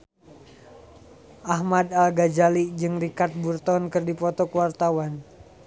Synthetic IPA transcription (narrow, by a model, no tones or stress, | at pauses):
ʔaɦmadalɡad͡ʒalid͡ʒɨŋrikat̪̚burt̪ɔnkɨrdipɔt̪ɔkəwart̪awan